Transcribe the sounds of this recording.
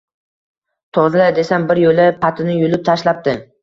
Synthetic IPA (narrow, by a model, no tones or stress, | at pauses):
t̪ʰɒzlad̪e̞sanbɪɾjolɪpʰat̪ʰɪnɪjʊlɪp̚t̪ʰaʃlap̚d̪ɪ